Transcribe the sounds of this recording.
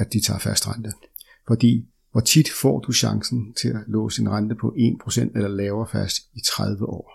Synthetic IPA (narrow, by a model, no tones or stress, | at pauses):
æd̥it͡sʰɑ̈ːfæsd̥ʁand̥ə | fɒ̽d̥ḭː | ʋɒt͡sʰid̥fɒ̰ːd̥uɕɑ̈ŋsn̩t͡sʰe̝lælɔ̰ːsienʁand̥əpʰɒ̽ʔe̝̰ːnpʰʁo̝sen̰d̥elɐlɛːʊɐfæsd̥it͡sʰʁaðˠʋəʔɒ̰ː